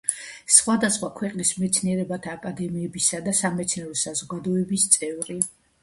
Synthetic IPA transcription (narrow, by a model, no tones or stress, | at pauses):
sχwad̪asχwakʰwɛqʼnismɛt̪sʰniɛɾɛbat̪ʰaːkʼad̪ɛmiɛbisad̪asamɛt̪sʰnɛɾɔsazɔɡad̪ɔɛbist̪sʼɛvɾi